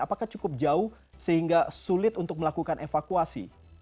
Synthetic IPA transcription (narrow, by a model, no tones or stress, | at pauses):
apakaht͡ʃukʊp̚d͡ʒaʊh | səhiŋɡasulɪt̪unt̪ʊk̚məlakukanʔefakuasḭ